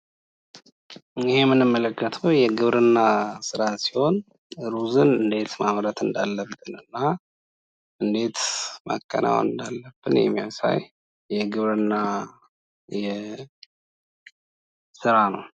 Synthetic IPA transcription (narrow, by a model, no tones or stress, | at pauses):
ɪhemːɨnɨmːələkːət̪ʰəwjɛɡɨβɾɨnːasɨɾasiho̞n | ɾuzɨnɨnd̪e̞t̪maβɾət̪ɨnd̪alːəbɨnɨnːa | ʔɨnd̪e̞t̪ma̰kʼːə̰nʔa̰wɨ̰nd̪alːəb̥ːɨnjɛ̰mːijasa̰j | jɛɡɨβɾɨnːa | jɛ | sɨɾanəw